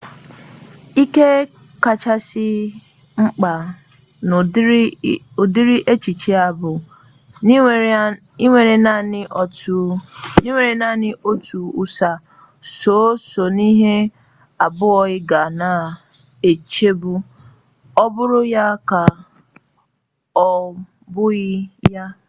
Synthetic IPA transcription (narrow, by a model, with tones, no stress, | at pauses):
i˦ke˦ | ka˨t͡ʃa˦sɪ˦ | ŋ͡m̩˦k͡pa˨ | o˨di˦ɾi˦ʔe˦t͡ʃi˨t͡ʃi˦a˨bʊ˨˦ | i˦ŋʷe˨ɾe˨na˦˨nɪ˦ɔ˨u˨ni˦ŋʷe˨ɾe˨na˦˨nɪ˦ʔo˦tu˨u˦sa˨ | so˨˦so˨ni˦ɦe˦ | a˨bʊ˦ɔ˨ɣɪ˦ɡa˨na˨ | e˨t͡ʃe˦bu˦ | ɔ˦bʊ˦ɾʊ˦ja˦ka˨ | ɔ˨ | bʊ˦ɣɪ˦ja˦